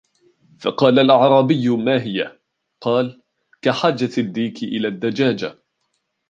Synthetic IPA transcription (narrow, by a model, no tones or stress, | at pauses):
fɑ̰qɑːlalʔɑʕɾˤɑːbɪjːʊmaːɦɪja | qɑːl | kaħaːd͡ʒad̪ːiːkɪʔɪlaːd̪ːad͡ʒaːd͡ʒa